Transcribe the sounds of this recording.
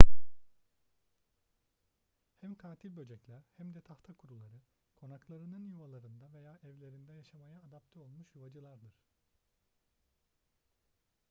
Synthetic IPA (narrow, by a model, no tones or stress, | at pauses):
hæmkʰaːt̪ʰilʲbø̞d͡ʒɛclʲæɾhæmd̪ɛt̪ʰaft̪ʰakʰuɾulˠaɾɯ | kʰo̞naklˠaɾɯnɯnjuvalˠaɾɯnd̪ave̞jaːʔɛvlʲe̞ɾind̪ɛjaʃamajaːd̪apt̪ʰɛo̞lˠmuʃjuvad͡ʒɯlˠaɾd̪ɯɾ̥